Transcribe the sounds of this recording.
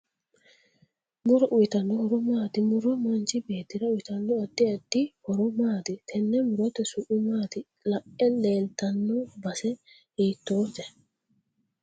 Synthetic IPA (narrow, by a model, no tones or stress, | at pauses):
muɾaʔit̪anːɔhɔɾɔmaːd̪imuɾɔmant͡ʃibeːt̪iɾauwit̪anːɔadːiadihɔɾɔmaːd̪it̪ʰɛnːɛmuɾɔt̪ɛsuʔumaːd̪i | laʔɛlɛːltanːɔbasɛ | hit̪ːoːtɛ